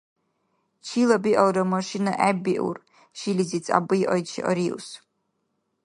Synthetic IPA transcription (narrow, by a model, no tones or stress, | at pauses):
t͡ʃʰilabiʔɔwɾɐmɔʃina̰ʔɛbiʔṵr | ʃilizit͡sʼa̰bɨiʔɔjt͡ʃʰḭʔɔ̰ɾiṵs